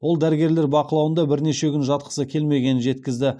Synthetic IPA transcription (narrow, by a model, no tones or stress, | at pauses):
wo̞lˠd̪æɾɪɡʲe̞ɾle̞ɾbɑqəlˠɑwənd̪ɑbɪɾne̞ʃe̞kʲʏnʒɑt̪̚qə̥səkʲʰe̞lme̞ɡʲe̞nɪnʒe̞t̪kʲɪzd̪ɪ